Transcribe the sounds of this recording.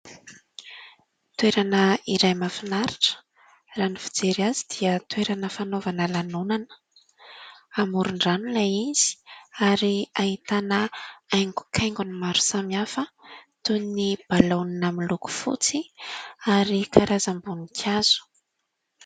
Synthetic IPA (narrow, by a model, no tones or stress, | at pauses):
t̪weɾanəiɾajmafinaɾiʈ͡ʂə̥ | ranifi̥d͡zeɾiazid̪iət̪weɾanəfanovanəlanunanə̥ | amuɾuɳɖ͡ʐanulaiz̥i̥aɾiait̪anəajŋɡu̥kʰajŋɡunimaɾu̥samiafə | t̪unnib̥alaninamiluku̥fṵt͡siaɾikʰaɾazambunikʰjaz̥u̥